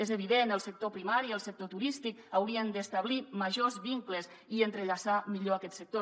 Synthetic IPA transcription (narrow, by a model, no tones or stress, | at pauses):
ezəβ̞iðenəlˠsək̚t̪opɾimaɾiəlˠsək̚t̪ot̪uɾist̪ikawɾiənd̪əːst̪aβ̞liməʒozβiŋkləs | iənt̪ɾəʎasamiʎoakɛt̪sək̚t̪o